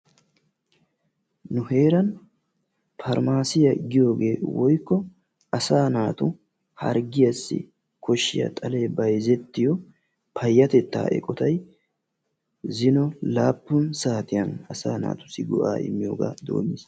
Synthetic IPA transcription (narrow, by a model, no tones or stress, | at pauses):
nʊhe̞ːɾɐn | fɐɾmaːsɪjɐɡɪjo̞ːɡe̞ːwɔjkːɔ | ɐsaːnaːt̪ʊ | hɐ̰ɾɡɪjɐsːɪ̰ | kʰɔʃːɪjɐ̰t̪ʼɐleːbɐjzɛt̪ːɪjɔ | pʰɐjːɐt̪ɛt̪ːa̰ːʔɛ̰kʼɔt̪ɐj | zɪnɔlaːpːʊnsaːt̪ɪjɐnɐsaːna̰ːt̪ʊ̥sɪɡʊʔa̰ːʔɪ̰mːɪjoːɡa̰ːd̪o̞̰ːmis